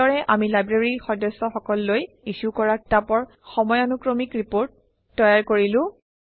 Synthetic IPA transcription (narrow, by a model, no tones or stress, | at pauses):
ɔɹɛʔamilajbɹeɹixɔdɔsɔxɔkɔlːoj | isukɔɹak̚tapɔɹ | xɔmɔjanukɹomikɹipoɹtː | ɔjaɹkoɹilʊ̃